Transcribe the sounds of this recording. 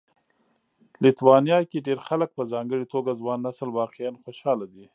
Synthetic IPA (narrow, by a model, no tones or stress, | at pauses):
lɪt̪wɑnijɑkeɖeɾxalək̚pəzɑŋɡəɽit̪oɡazwɑnːasəlwɑqejanxoʃɑlad̪i